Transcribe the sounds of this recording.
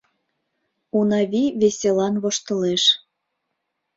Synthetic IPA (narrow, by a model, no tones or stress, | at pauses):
unɑβiβesʲelɑnβoʃt̪ɤ̆leʃ